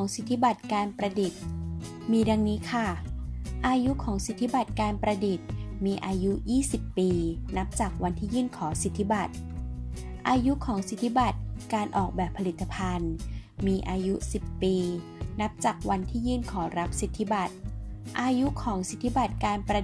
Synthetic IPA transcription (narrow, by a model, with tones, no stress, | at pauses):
ŋsi˨˩t̪ʰːi˦˥ba˨˩t̪̚kaː˧npɾa˧di˨˩t̪̚ | miː˧da˧ŋniː˦˥kʰa˥˩ʔaː˧ju˦˥kʰɔː˩˦ŋsi˨˩t̪ʰːi˦˥ba˨˩t̪̚kaː˧npɾa˧di˨˩t̪̚miː˧ʔaː˧ju˦˥jiː˥˩si˨˩pːiː˧na˦˥p̚t͡ɕaː˨˩k̚wa˧nt̪ʰiː˥˩jɯː˥˩nkʰɔː˩˦ŋsi˨˩t̪ʰːi˦˥ba˨˩t̪̚ | ʔaː˧ju˦˥kʰɔː˩˦ŋsi˨˩t̪ʰːi˦˥ba˨˩t̪̚kaː˧nʔɔː˨˩k̚bɛː˨˩pʰa˧li˨˩t̪ʰːa˧pʰa˧n | miː˧ʔaː˧ju˦˥si˨˩pːiː˧ | na˦˥p̚t͡ɕaː˨˩k̚wa˧nt̪ʰiː˥˩jɯː˥˩nkʰɔː˩˦ɾa˦˥p̚si˨˩t̪ʰːi˦˥ba˨˩t̪̚ʔaː˧ju˦˥kʰɔː˩˦ŋsi˨˩t̪ʰːi˦˥ba˨˩t̪̚kaː˧npɾa˧